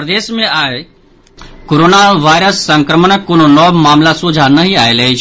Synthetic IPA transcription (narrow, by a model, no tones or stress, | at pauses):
pɾəd̪eːsmẽaːe | koɾoːnaʋaːjɾəsːɐ̃ŋkɾəmənəkːononɔːbmaːmlasud͡ʒʱanɐɦĩaːelɐɦe